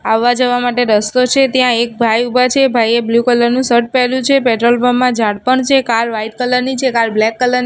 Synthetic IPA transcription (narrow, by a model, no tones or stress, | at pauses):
aʋːad͡ʒəʋamaʈeɾəst̪ot͡ʃʰet̪jãek̚bʱajubat͡ʃʰebʱajeblukələɾnũsəɾʈ̚pɛɦlũt͡ʃʰepɛʈɾolbəmãd͡ʒaɽpəɳt͡ʃʰekaɾʋaiʈ̚kələɾnit͡ʃʰekaɾblɛkːələɾni